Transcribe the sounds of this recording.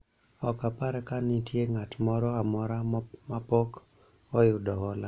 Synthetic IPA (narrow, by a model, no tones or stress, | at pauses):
ɔkapaɾɛkanɪtjeŋatmɔɾɔamɔɾamapɔk | ɔjʊdɔɦɔla